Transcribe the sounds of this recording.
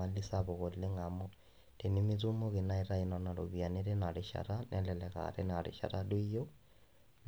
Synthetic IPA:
a˨li˦sabɔ˨ko˨lɪ˦ŋa˨mɔ˦ | d̥e˨nɪ˦mɪ˦t͡su˦mo˦kɪ˨na˦i˦ɾa˦i˨˦nɔ˨na˨ɾo̰˨bi˨a˨ne˦ɾɪ˦na˨ɾɪ˨ʃa̰˨ɾa˦nʔɛ˦lɛ˨lɛ˨ka̰ɾɛ˦na˨ɾɪ̰˨ʃa̰˨ɾadwi˦jo˦

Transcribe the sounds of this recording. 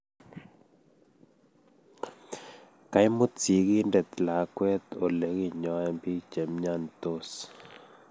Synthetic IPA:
ka˨jmʊ˦t͡si˨ɡɪ˦ndɛ˨t̪la˨kwɛ˦t̪o˨le˨˦ɣi˦ɲɔ˨˦ɛ˦mbi˦t͡ʃɛ˨mɲa˦˨nt̪o˦˨s

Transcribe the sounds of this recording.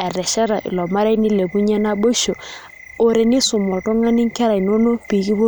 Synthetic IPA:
ɛ˨ɾɛ˨ʃɛ˦ɾa˨ʔɪ̰˨lɔ˨ma˦ɾa˦jni˦le˨bu˦ɲɛ˦na˦bo˦ʃo˨ | o˦ɾe˨nɪ˦sʊ˨mɔ˨tɔ˦ŋa˦nɪ˦ŋ˦kɛ˦ɾa˨i˨no˦no˦pi˨ki˦bo˦

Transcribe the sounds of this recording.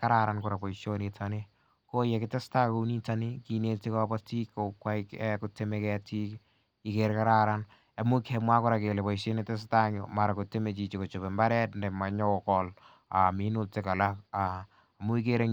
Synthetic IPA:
ka˦ɾaɾankʊɾa˨pɔ˨iʃonetanɪ | ko˦je˨kɪ˦te˦sta˦ko˨ni˦tani˦ki˨ne˦ti˦kɔbɔ˦ti˦kːo˨kwa˦ikɛ˦kʊtemekɛti˦k | ikeɾka˦ɾaɾan | a˨mu˦kʰemwa˦kʊɾa˨ke˨le˨pɔ˨iʃe˦nete˦s̬ta˦ɲoma˨ɾakʊ˨te˦met͡ʃi˨t͡ʃiko˨t͡ʃo˨be˨mba˦ɾɛ˦tndɛma˨ɲɔ˦kɔl | a˨mi˦nʊ˦teka˨lakaː˨ | mʊ˦ikeɾe

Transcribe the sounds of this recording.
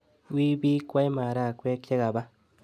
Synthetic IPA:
wi˦bi˦kʷa˦jma˨ɾa˦˨kʷwe˦kt͡ʃe˦ɡa˨ba˦

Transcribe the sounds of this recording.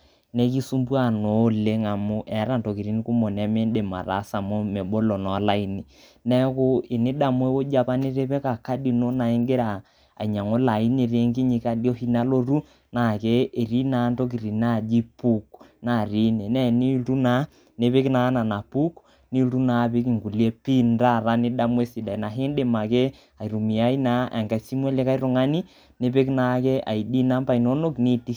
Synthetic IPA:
ne˦ki˦su˦mbwa˦˨no˨˦le˦ŋa˨mu˦ʔɛ˨˦ɾa˦˨nto˨ki˨ɾi˦n˦ku˦mo˨nɛ˦me˦nde˨ma̰˨ɾa̰˨˦sa˨mo˦me˨ɓo˦lɔ˨nɔ˨˦la˦i˦ni˨ | nɛ˦kʊ˦e˨ne˦da˨mwe˦wo˦d͡ʒa˦pa˦ne˦ɾe˦pɛ˦ka˨ka˦di˨no˦na˨e˦ŋɡe˦ɾa̰ː˨ | ɲa˨ŋo˦la˨i˦ne˨ɾe˦ŋki˦ɲi˨˦ka˦djo˦hi˦na˦lo˦ɾu˦ | na˨kɛː˦˨ɾi˦na˦ndo˦k̬i˨ɾi˨na˦˨d͡ʒi˦pu˦kna˦˨ɾi˦nɛ˨nɛ˦ni˦lu˦na˦ | ne˦βe˦ki˦na˨˦na˨na˨pu˦k | ni˦lu˦na˨βe˦k̬i˨ŋɡu˨li˨e˦pi˦nda˦ɾa˦ne˦da˦mwe˦si˨da˨i˨na˨ɦe˦nde˨ma˨kɛ˦ | a˨i˨ɾu˨mi˨a˦i˦na˦a̰˨ŋɡa˨si˦mwɛ˦le˦ka˦i˦ɾo˨ŋa˦ni˦ | ne˦βe˦ki˦na˨˦kɛ˦ʔa̰˨i˨di˦na˦mba˦i˨no˦no˦kni˦ti˦

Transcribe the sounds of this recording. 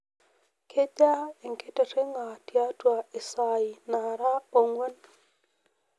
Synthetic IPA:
kʰe˦da˦e˨ŋke˦te˨ɾe˦ŋa˨tja˦twa˨e˨sa˨i˨na˨ɾa˦o˨ŋwɛ˦n

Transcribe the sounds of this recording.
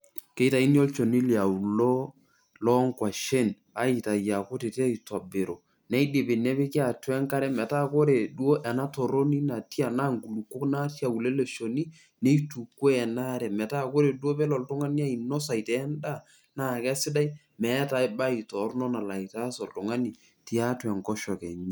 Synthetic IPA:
ke˦i˦ta˨i˦njo˦lt͡ʃo˨ni˦lja˨u˨lo˦ | lɔ˦ŋkwa˨ʃe˦˨n | a˦i˨ta˨ja˨ko˦te˨tɛ˦i˨ta˨be˨ɾo˨ | nɛ˦i˦dɪ˨pɪ˨nɛ˦pɪ˦kɪ˦a˨twɛ˦ŋka˦ɾɛ˦mɛ˨ta˦ko˦ɾe˨du˦o˦ʔɛ˨na˦to˨ɾo˦ni˦na˨ti˦a˨na˦ŋɡu˨lu˨kːo˦kna˦tja˨u˨le˦le˨ʃo˨ni˦ | ne˦i˦tu˨kːwe˦ɛ˨na˦ɾɛ˨mɛ˨ta˦˨ko˦ɾe˨du˦o˦pɛ˦lɔ˨ltʊ˦ŋa˦ni˦a˦i˨nɔ˦sa˨i˨tɛː˨˦nda˦˨ | na˦˨kɛ˦sɪ˦da˦i˦ | mɛ˨˦ta˨˦ɪ˦ba˦i˨tɔ˨˦ɾnɔ˦na˨la˨i˨ta˦sɔ˨ltʊ˨ŋa˦ni˨ | ti˦a˦twɛ˨ŋkɔ˦ʃɔ˨kɛ˨ɲ˦

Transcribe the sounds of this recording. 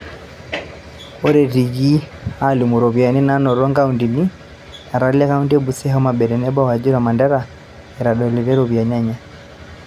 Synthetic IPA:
ɔ˦ɾɛ˨ɾi˨ɡi˦a˦li˨mu˨ɾɔ˨βja˨ni˦na˦nɔ˨ɾɔ˦ŋɡa˦undi˨ni˦ | a˨ɾa˨lɛ˦ka˦u˦ndi˦ɛ˦bu˨sɛ˦ɦɔ˦ma˨bɛ˨ɾɛ˨nɛ˦ba˦wa˨d͡ʒi˦ɾa˨ma˨nda˦ɾa˨ | ɛ˨ɾa˨ɗɔ˨li˨ɾɛ˦ɾɔ˨βja˨ɲa˦ɲa˦

